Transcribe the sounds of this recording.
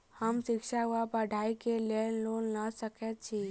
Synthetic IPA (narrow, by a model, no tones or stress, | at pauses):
həmsɪkʃaʋapəɖʱaːikelenloːnːasəkɛt̪̚t͡ʃʰi